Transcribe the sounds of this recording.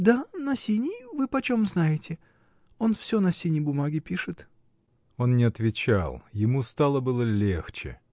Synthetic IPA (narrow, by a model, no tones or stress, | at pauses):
d̪anɐsʲinʲɪjvɨpɐt͡ɕomznajɪtʲɪ | o̞nfsʲonɐsʲinʲɪjbʊmaɡʲɪpʲiʂɨt̪ | o̞nnʲɪɐt̪vʲɪt͡ɕa̰lˠjɪmust̪alˠəbɨlˠəlʲext͡ɕɪ̰